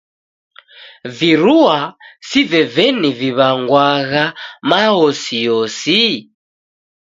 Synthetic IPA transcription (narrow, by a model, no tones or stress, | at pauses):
viɾuasivɛvɛniviβaŋɡwaɣamaɔsijɔsi